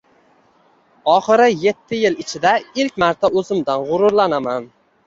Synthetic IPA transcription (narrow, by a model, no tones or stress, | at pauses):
ɒχɨɾɪje̞t̪ʰːɪjɪlɪt͡ʃʰɪd̪aɪlkʲmaɾt̪ʰaɵzɪmd̪anʁʊɾʊɾlanaman